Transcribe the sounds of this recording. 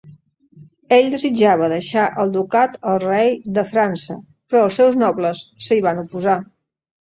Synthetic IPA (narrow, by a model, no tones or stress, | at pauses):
eʎd̪əzid͡ʒaβəðəʃaʔəlˠd̪ukat̪əlˠrɛjd̪əfɾansə | pɾɔːlˠsɛwznɔβləsːəiβanupuza